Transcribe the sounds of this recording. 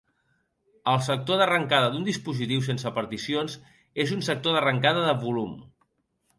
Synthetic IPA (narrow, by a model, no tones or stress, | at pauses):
əlˠsək̚t̪oðərəŋkað̞əd̪und̪ispuzit̪iws̬ensəpəɾt̪isionz | ezunsək̚t̪oðərəŋkaðəðəβulum